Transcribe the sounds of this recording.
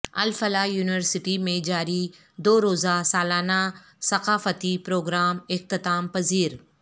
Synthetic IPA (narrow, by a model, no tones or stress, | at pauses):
ɐ̰lfəlajuːnɪʋəɾsɪʈimẽd͡ʒaːɾi | d̪oːɾoːzasaːlaːna | sɐqaːfət̪ipɾoːɡɾaːmɪxt̪ɪt̪aːmpɐziːɾ